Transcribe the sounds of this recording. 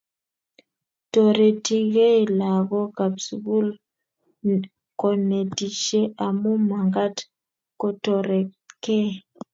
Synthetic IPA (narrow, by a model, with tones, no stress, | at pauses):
tɔ˨ɾɛ˨ti˦ɣe˦˨la˨ɣɔ˦ka˨bsu˨bu˦l | kɔ˨nɛ˨ti˨ʃe˦ʔa˨mu˦ma˨ŋɡa˦t | kɔ˦tɔ˨ɾɛ˨kɛ˦